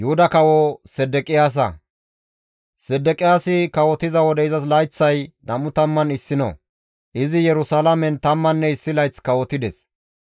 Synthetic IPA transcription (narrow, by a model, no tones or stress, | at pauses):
jʊhʊd̪ɐkɐwɔsɛd̪ɛkʼɪjaːs̬ɐ̰ | sɛd̪ːɛkʼɪjaːsɪkɐwɔt̪ɪzɐwɔd̪ɛɪzɐs̬lɐjt͡sːɐjnɐmʊt̪ɐmːɐnɪsːɪno̰ | ʔɪzɪjɛɾʊsalɐmɛnt̪ɐmːɐnːɛɪsːɪlɐjt͡skɐwɔt̪ɪd̪ɛs